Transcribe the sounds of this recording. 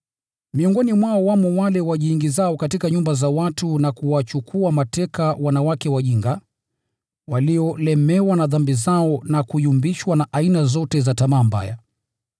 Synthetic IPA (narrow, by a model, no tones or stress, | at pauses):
miɔŋɡɔnimwaɔwamɔwalɛwaʄiːŋɡizaɔkatikaɲumbazawatunakuwat͡ʃukʰuamatɛkawanawakɛwaʄiŋɡa | waliɔlɛmɛwanaðambizaɔnakujumbiʃwanaʔainazɔtɛzatamaːmba̰ja̰